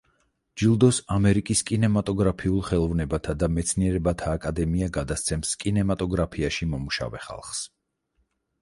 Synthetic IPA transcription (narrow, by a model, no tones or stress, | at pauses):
d͡ʒilˠd̪ɔsamɛɾikʼiskʼinɛmat̪ʼɔɡɾapʰiulˠχɛlˠɔvnɛbat̪ʰad̪amɛt̪sʰniɛɾɛbat̪ʰaːkʼad̪ɛmiaɡad̪ast̪sʰɛmskʼinɛmat̪ʼɔɡɾapʰiaʃimɔmuʃa̰vɛχa̰lˠχs